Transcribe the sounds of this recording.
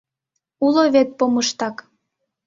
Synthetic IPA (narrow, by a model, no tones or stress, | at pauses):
uloβet̪̚poməʃt̪ɑk